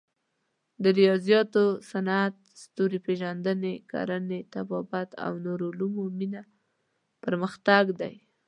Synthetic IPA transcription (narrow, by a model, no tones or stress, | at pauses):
d̪əɾijɑzijɑt̪osanat̪st̪oɾipeʒand̪ənekɑ̰ɾanet̪abɑbat̪a̰wnoɾolumomina | pəɾməxt̪aɡd̪a̰j